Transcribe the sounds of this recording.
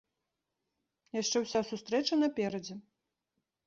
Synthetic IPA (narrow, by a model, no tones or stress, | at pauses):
jaʂt͡ʂɛwsʲasust̪ɾɛt͡ʂɐnɐpʲɛɾɐd͡zʲɛ